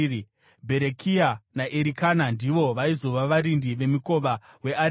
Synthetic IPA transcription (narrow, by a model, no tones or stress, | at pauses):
bʱe̞ɾekʰianaʔeɾikanandiʋo̞ʋaizo̞ʋaʋaɾindiʋe̞miko̞ʋawe̞a